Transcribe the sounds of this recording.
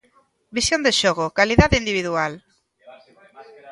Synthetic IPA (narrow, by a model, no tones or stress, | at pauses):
bisjõnd̪eʃɔɣokaliðaðeind̪iβ̞iðual